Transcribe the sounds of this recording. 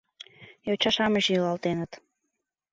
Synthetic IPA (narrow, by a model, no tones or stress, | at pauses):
jot͡ɕɑʃɑməʃjəlɑlˠt̪enət̪